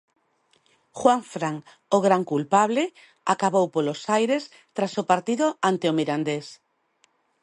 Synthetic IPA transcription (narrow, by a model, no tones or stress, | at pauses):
xwaɱfɾaŋ | oɣɾaŋkulpaβlɪ | akaβowpolosajɾes | t̪ɾasopaɾt̪iðʊant̪eomiɾand̪es